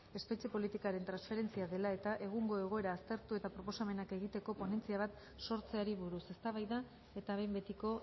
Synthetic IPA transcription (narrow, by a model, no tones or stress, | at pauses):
e̞spe̞t͡ʃe̞po̞lit̪ikaɾe̞nt̪ɾansfe̞ɾe̞nt͡siaðe̞lae̞t̪aʔe̞ɣ̞uŋɡo̞e̞ɣ̞o̞e̞ɾaːst̪e̞ɾt̪ue̞t̪apɾo̞po̞same̞nake̞ɣ̞it̪e̞ko̞po̞ne̞nt͡siaβ̞at̪ | so̞ɾt͡se̞aɾiβuɾuse̞st̪aβ̞ajða | e̞t̪aβe̞mbe̞t̪iko̞